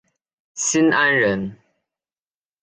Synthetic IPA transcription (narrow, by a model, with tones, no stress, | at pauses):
si˦na˦nɻə˨˦n